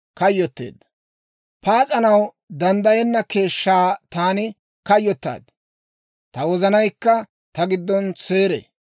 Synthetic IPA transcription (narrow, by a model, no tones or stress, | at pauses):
kɐjːɔt̪ːḛːd̪ːɐ | paːt͡sʼɐnɐw | d̪ɐnd̪ɐjɛnːɐke̞ːʃːaːt̪aːnɪ | kɐjːɔt̪ːa̰ːd̪ | t̪ɐwɔzɐnɐjkːɐ | t̪ɐɡɪd̪ːɔnse̞ːɾḛ